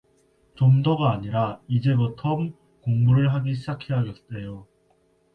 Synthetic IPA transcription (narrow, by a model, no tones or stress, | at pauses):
t͡ɕomdoɡaːɲiɾaid͡ʑe̞butʰʌm | koŋbuɾɯɭɦaɡiɕ̬ʰid͡ʑakʰe̞ɦaɡest͈e̞jo